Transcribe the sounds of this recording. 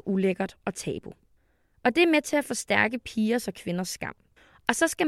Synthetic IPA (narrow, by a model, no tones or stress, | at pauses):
ʔuleɡ̥ɐd̥ɒ̽t͡sʰɛ̰ːb̥o̝ | ɒ̽d̥e̝æɐmet͡sʰe̝æfosd̥æɐɡ̥əpʰiːɐsɒ̽kʰʋe̝nɐsːɡ̥ɑ̈m̰ | ɒ̽sɒ̽sɡ̥æ